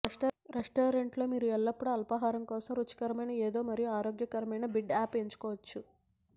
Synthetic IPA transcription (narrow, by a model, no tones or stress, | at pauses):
ɾʔeʂʈoːɾeɳʈlo̞ːmiːɾuɛɭːɐpːuɽuɐlpɐɦaːɾɐmkɔːsɐmɾut͡ʃːɐ̥kɐɾɐmɐjnɐeːd̪o̞ːmɐɾijuaːɾoːɡjɐkɐɾɐmɐjnɐbiɖaːpe̞ɲt͡ʃu̥kɔːʋɐt͡ʃːu